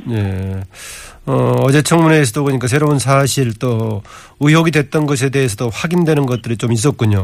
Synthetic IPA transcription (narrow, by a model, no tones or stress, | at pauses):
je̞ | ʌʌd͡ʑe̞t͡ɕʰʌŋmuneːsʰʌdokʌɲik͈as̬ʰe̞ɾounsʰaɕʰiɭt͈o | ujoɡidwe̞t̚t͈ʌnɡʌs̬ʰe̞de̞ɦes̬ʰʌdoɸwaɡindwe̞nɯnɡʌt̚t͈ɯɾit͡ɕomis̬͈ʌt̚k͈uɲo